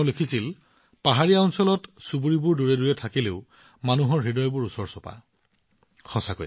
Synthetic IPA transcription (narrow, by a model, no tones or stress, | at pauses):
lekʰisil | paɦaɹiaɔnsɔlɔtsubuɹibuɹduɹɛduɹɛtʰakileʊ | manuɦɔɹɦidɔjbʊɹusɔɹsɔpa̰ | xɔsako